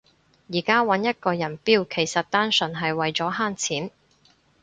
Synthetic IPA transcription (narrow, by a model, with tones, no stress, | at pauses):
jiː˨˩kaː˥wɐ˨˥njɐ˥t̚kɔː˧jɐ˨˩npiː˥wkʰe˨˩jsɐ˨t̚t̪aː˥nsɵ˨˩nɦɐ˨jwɐ˨jt͡sɔː˨˥ɦaː˥nt͡sʰiː˨˥n